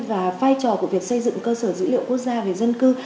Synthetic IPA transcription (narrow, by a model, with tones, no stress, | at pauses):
vaː˨˩vaː˧jt͡ɕɔ˨˩ku˧˩əvi˨˩ək̚sə˧jzɨ̰˧˨ŋkəː˧səː˧˩zɨ̰˧˥lḭ˧˨əwku˦˥ək̚zaː˧ve˨˩zə˧nkɨ˧